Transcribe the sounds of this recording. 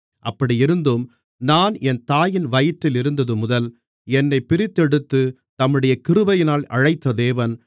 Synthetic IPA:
ʔɐpːɐɽijɪɾɯnd̪ɯm | naːnɛnt̪aːjɪnʋɐjɪʈːɪlɪɾɯnd̪ɐðɯmʊðɐl | ɛnːɐɪpːɪɾɪt̪ːɛɽɯt̪ːɯ | t̪ɐmːɯɽɐjɐkɪɾɯʋɐjɪnaːlɐ̰ɻɐɪt̪ːɐðeːʋɐn

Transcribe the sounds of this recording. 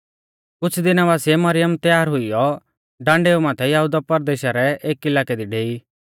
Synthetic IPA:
kʊt͡ʃʰd̪ɪnaʋaːsijɛmɐɾɪjəmt̪jaːɾɦʊijɔ | ɖãːɳɖeːumãːt̪ʰɛjɐɦʊd̪apɐɾd̪eːʃaɾɛeːkɪlaːkɛd̪iɖeːi

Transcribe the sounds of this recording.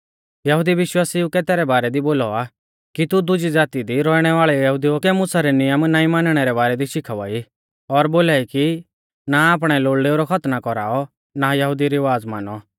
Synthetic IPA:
jɐɦʊd̪iʋɪʃwaːsiʊkɛt̪ɛːɾɛbaːɾɛd̪iboːlɔa | kit̪ud̪ʊd͡ʒid͡zaːt̪id̪iɾɔːiɽ̃ɛʋaːɭɛjɐɦʊd̪iɔkɛmʊsaɾɛnɪjəmnaːĩmanəɽ̃ɛɾɛbaːɾɛd̪iʃɪkʰaʋa̰ːi | ɔɾboːlaːiki | naaːp̬ɽ̃ɛloːɭɖeoɾɔkʰɐt̪nakɔɾa̰ːɔ | najɐɦʊd̪iɾiʋaːd͡zma̰ːnɔ

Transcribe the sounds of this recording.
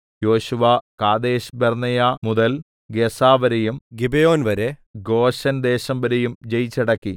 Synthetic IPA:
jo̞ːɕuʋɐkaːd̪eːɕbernɐjamuðɐl | ɡesaːʋɐɾejumɡibejo̞ːnʋɐɾeɡo̞ːɕɐnd̪e̞ːɕɐmbɐɾejumd͡ʑejit͡ɕːɐɽɐkːi

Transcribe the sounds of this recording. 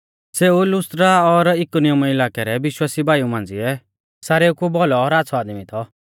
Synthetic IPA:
seːulʊst̪ɾaɔɾɪkonijɔmɪlaːkɛɾɛbɪʃwaːsibʱaːjumãːn̆d͡ziɛ | saːɾeukubɔlɔːɾaːt͡sʰɔaːd̪mit̪ʰɔ

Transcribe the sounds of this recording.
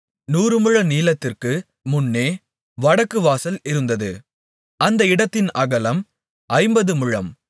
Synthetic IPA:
nuːɾɯmɯɻɐniːlɐt̪ːɪrkɯ | mʊnːeː | ʋɐɽɐkːɯʋaːsɐlɪɾɯnd̪ɐðɯ̰ | ɐnd̪ɐɪɽɐt̪ːɪnɐɣɐlɐm | ʔɐɪmbɐðɯmɯɻɐm

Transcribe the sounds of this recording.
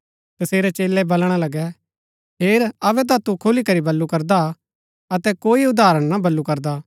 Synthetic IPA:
t̪ɐseːɾɛt͡ʃeːlːɛbɐlɽ̃alɐɡɛ | ɦeːɾɐʋɛt̪̬ãt̪ukʰʊlikɐɾibɐlːukɐɾd̪a | ɐt̪ɛkoːiʊd̪aːɾəɽ̃nabɐlːukɐɾd̪aː

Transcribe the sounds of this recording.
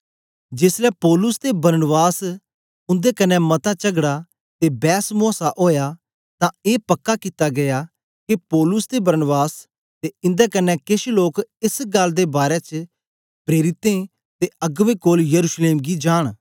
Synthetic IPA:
d͡ʒɪslɛpɔːlʊst̪ebɐɾnbaːs | ʊnd̪ekɐnːɛmɐt̪at͡ʃəɡɽa | t̪ebɛːsmoːsaʔoːjaː | t̪ãeːpɐkːakɪt̪aɡɐjaː | kipɔːlʊsd̪ebəɾnbaːs | t̪eɪ̃nd̪ɛːkɐnːɛkɪʃloːkɪsɡɐld̪eːbaːɾɛt͡ʃ | pɾeːɾɪt̪ẽː | t̪eɐɡʋekoːljəɾuːʃleːmɡid͡ʒaːɽ̃

